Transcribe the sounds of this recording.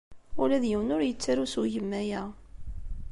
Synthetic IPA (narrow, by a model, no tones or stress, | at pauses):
ʊlæðjəwnʊɾjət͡sːaɾusuʝəmːæjæ